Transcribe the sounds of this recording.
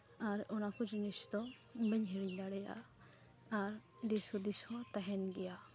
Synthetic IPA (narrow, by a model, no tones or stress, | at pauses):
aɾɔnakud͡ʒinist̪ɔ | bɛɲɦɛɽiɲd̪aɽɛja̰ː | ɾ | d̪isɔd̪isɔt̪aɦɛnɡɛja